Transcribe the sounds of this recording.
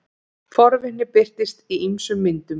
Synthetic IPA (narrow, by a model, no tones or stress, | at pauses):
fɔɾvɪhnːɪpɪr̥t̪ɪst̪iimsʏmːɪnt̪ʏm